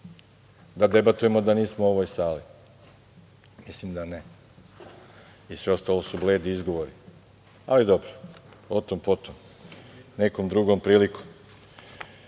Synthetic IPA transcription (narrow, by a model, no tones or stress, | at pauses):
d̪ad̪e̞bat̪uje̞mo̞d̪aniːsmooʋojsaːli | mislimd̪ane | isʋe̞o̞st̪alo̞subleːd̪iizɡoʋo̞ɾi | alid̪obɾoot̪ompot̪om | ne̞komd̪ɾuɡo̞mpɾiːlikom